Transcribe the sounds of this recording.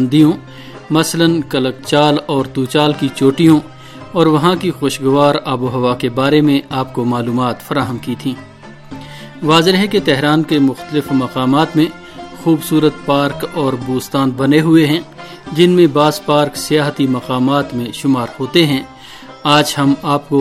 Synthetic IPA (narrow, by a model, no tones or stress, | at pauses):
nd̪ijõ | mɐslənkɐlək̚t͡ʃaːlɔːɾt̪uːt͡ʃaːlkit͡ʃoːʈijõ | ɔːɾʋɐɦãkixoːʃɡʊʋaːɾɐbuɦɐʋakebaːɾemẽaːp̚komaːluːmaːt̪fɐɾaːɦəmkit̪ʰĩː | ʋaːzɪɾɦɛket̪ɛɦɾaːnkemʊxt̪əlɪfmɐqaːmaːt̪mẽ | xuːbsuːɾət̪̚paːɾkɔːɾbuːst̪aːnbɐneɦʊeɦɛ̃ | d͡ʒɪnmẽbaːzpaːɾksɪjaːɦt̪imɐqaːmaːt̪mẽʃʊmaːɾhoːt̪eɦɛ̃ | aːd͡ʒɦɐmaːp̚ko